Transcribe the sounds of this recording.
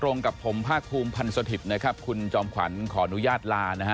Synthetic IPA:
t̪ɾo˧ŋka˨˩pʰo˩˦mpʰaː˥˩k̚pʰuː˧mpʰa˧nsa˧t̪ʰi˨˩na˦˥kʰa˦˥p̚kʰu˧nt͡ɕɔː˧mkʰwa̰˩˦nkʰɔː˩˦ʔa˧nu˦˥jaː˥˩t̪̚laː˧na˦˥ka˦˥

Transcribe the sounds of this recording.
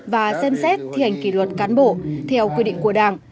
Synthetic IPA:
vaː˨˩sɛ˧msɛ˦˥t̚t̪ʰi˧ha˨˩jŋ̟ki˧˩lwə˨˩t̚kaː˨˦nɓo̰˧˨t̪ʰɛ˧wkwi˧ɗḭ˧˨ŋ̟ku˧˩əɗaː˨˩ŋ

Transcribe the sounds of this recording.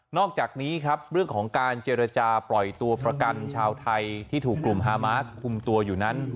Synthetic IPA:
nɔː˥˩k̚t͡ɕaː˨˩k̚niː˦˥kʰɾa˦˥p̚ɾɯ˥˩əŋkʰɔː˩˦ŋkaː˧nt͡ɕeː˧ɾa˧t͡ɕaː˧pɾɔ˨˩jt̪u˧ɐpɾa˧ka˧nt͡ɕʰaː˧wt̪ʰa˧jt̪ʰiː˥˩t̪ʰuː˨˩kːlu˨˩mɦaː˧maː˦˥skʰu˧mt̪u˧əɐjuː˨˩na˦˥n

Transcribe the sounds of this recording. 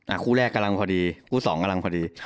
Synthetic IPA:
ʔa˧˩kʰuː˥˩lɛː˥˩kːa˧la˧ŋpʰɔː˧diː˧kʰuː˥˩sɔː˩˦ŋka˧la˧ŋpʰɔː˧diː˧

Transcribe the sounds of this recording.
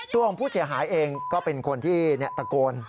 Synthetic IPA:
t̪u˧ŋpʰuː˥˩si˩˦ɐɦaː˩˦jʔeː˧ŋkɔː˥˩pe˧nkʰo˧nt̪ʰiː˥˩nɛ˦˥ʔt̪a˧koː˧n

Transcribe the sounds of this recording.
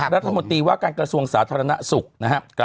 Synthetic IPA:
ɾa˦t̪ʰːmo˧nt̪ɾiː˧waː˥˩kaː˧nkɾa˧su˧əŋsaː˩˦t̪ʰaː˧ɾa˧na̰˦˥su˨˩k̚na˦kʰa˦˥k

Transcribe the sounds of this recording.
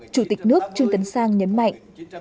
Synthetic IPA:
t͡ɕu˧˩t̪i˨˩k̟̚nɨ˦˥ək̚t͡ɕɨ˧ŋt̪ə˨˦ŋsaː˧ŋɲə˨˦nma̰˧˨jŋ̟ʔ

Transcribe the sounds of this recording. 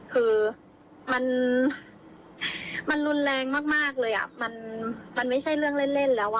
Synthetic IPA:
kʰɯː˧ | ma˧n | ma˧nɾu˧nlɛː˧ŋmaː˥˩k̚maː˥˩k̚lɤː˧jʔa̰˨˩ma˧nma˧nma˥˩jt͡ɕʰa˥˩jɾɯ˥˩əŋle˥˩nle˥˩nlɛː˦˥waː˥˩

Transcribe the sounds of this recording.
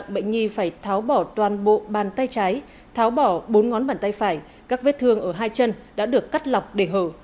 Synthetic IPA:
ŋɓə̰˧˨ŋ̟ŋi˧faː˧˩jt̪ʰaː˨˦wɓɔ˧˩t̪waː˨˩nɓo̰˧˨ɓaː˨˩nt̪a˧jt͡ɕaː˨˦j | t̪ʰaː˨˦wɓɔ˧˩ɓo˨˦nŋɔ˨˦nɓaː˨˩nt̪a˧jfaː˧˩j | kaː˦˥k̚ve˦˥t̚t̪ʰɨ˧əŋʔəː˧˩ɦaː˧jt͡ɕə˧nɗa̰ː˧˥ɗɨ˨˩əkːa˦˥t̚la˨˩wk͡p̚ɗe˧˩ɦəː˧˩

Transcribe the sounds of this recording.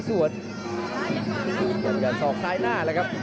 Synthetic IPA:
su˨˩ət̪̚ | jaː˨˩jaː˨˩sɔː˨˩˦ŋsaː˧˥jnaː˥˩lɛː˦˥kʰa˦˥p̚

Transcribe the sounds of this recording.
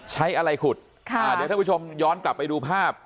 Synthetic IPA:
t͡ɕʰa˦˥jʔa˧ɾa˧jkʰu˨˩t̪̚ | kʰa˧a˧˨˩a˥˩˦t͡ɕʰo˧mjɔː˦˥nkla˨˩pːa˧jduː˧pʰaː˥˩p̚

